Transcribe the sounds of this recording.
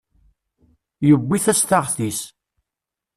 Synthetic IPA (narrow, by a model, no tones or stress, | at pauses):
jəbʷːiθæst̪aʁθis